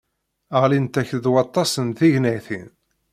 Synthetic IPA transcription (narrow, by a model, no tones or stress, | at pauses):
əʁlint̪æçðwɑt̪ˤːɑsənθiʝnæθḭn